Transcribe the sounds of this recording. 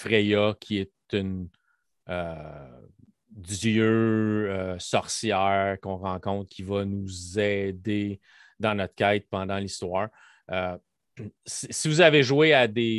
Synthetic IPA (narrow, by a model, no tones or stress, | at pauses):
fʁejɔkʲʰiɛt̪yn | ø | jøøsɔχsjɛːʁkɔ̃ʁɑ̃kɔ̃t̪̚kʲʰivʌnuzɛd̪e | d̪ɑ̃nɔt̪kʲɛɪt̪̚pɑ̃d̪ɑ̃list̪wɑːʁ | ø | sisivuzaveʒwead̪e